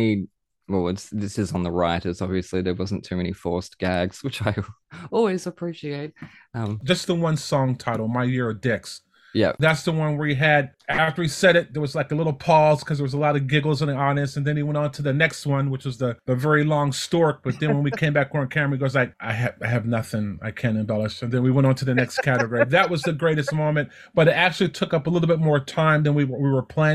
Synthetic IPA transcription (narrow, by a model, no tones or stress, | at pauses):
i | wɛlˠɪtsðɪsɨzn̩ðəɹaɪɾɨzɑbviɨsliðə˞wʌz̃n̩tʰʉmɛnifɔɹsɡ̥æɡz̥wɨt͡ʃaɪɔlˠwizɨpʰɹ̥iʃieɪt̚ | ʌ̃md̥ʒʌsðəwʌ̃nsɔ̃ŋtʰaɪɾl̩ˠmaɪjɪɹə˞dɪks | jɛ̰pðætsðəwʌ̃nwəiiɨdæftə˞isɛɾɨt̚ðə˞wʌzlaɪkəlɪɾl̩ˠpʰɔz̥kʰʌzðə˞wʌzəlɑɾʌɡɪɡl̩ˠzə̃niɑnɨstɨ̃n̩ðɨ̃niwɛ̃ɾ̃n̩tʰɨðɨnɛkst̚wʌ̃nwɨt͡ʃwʌzðɨðɨvɛɹilɔ̃ŋstɔɹk̚b̥ʌt̪̚ðɨ̃ñwə̃nwikʰẽɪ̃mbæk̚ʰəɹɨ̃nkʰæ̃miɡoʊzlaɪk̚ʔaɪɨaɪɨvnʌθɪ̃ŋa̰ɪkʰæ̃ñɨ̃mbɛlˠəʃtɨ̃nðɨ̃nwiwɛ̃ɾ̃n̩tʰɨðɨnɛkskʰæɾɨɡɔɹiðɨt̚wʌzðɨɡɹeɪɾɨst̚mõʊ̃mɨ̃nt | b̥ʌɾɨɾæk̚t͡ʃʉl̩ˠitʰʊkʌpəlɪɾl̩ˠbɪt̚mɔɹtʰãɪ̃mðɨ̃nwiwə˞wiwə˞pʰl̥æ̃